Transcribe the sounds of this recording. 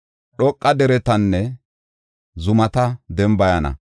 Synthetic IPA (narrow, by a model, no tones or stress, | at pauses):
ɗɔkʼːɐd̪ɛɾɛt̪ɐnːɛ | zʊmɐt̪ɐd̪ɛmbɐjɐnɐ̰